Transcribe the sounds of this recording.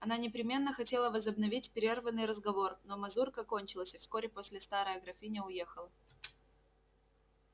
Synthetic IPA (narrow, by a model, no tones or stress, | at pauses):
ɐnanʲɪpɾʲɪmʲe̞nːəxɐtʲe̞lˠəvəzəbnɐvʲitʲpʲɾʲervənːɨjɾəzɡɐvo̞rno̞mɐzurkəɐko̞nʲt͡ɕɪlˠəsʲɪfskoɾʲɪpo̞sʲlʲɪst̪aɾəjɐɡɾɐfʲinʲɪʊjexəlˠə